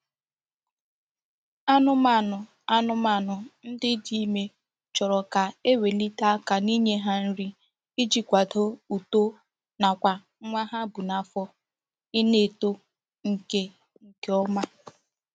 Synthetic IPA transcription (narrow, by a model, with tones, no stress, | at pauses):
a˦nʊ˦ma˦˨nʊ˨ | a˦nʊ˦ma˨nʊ˨n̩˦dɪ˦di˦˨˦me˦ | t͡ʃɔ˨ɾɔ˨ka˨e˦we˨li˦ta˦ka˨ni˦ɲe˦ɦa˦n̩˦ɾi˦ | i˦d͡ʒi˨kʷa˨do˦u˨to˦ | na˨kʷa˨˦ | ŋʷa˦ɦa˦bu˨na˨fɔ˦ | ɪ˦ne˦˨to˦ | ŋ̩˨ke˦ | ŋ̩˨ke˦ɔ˦ma˦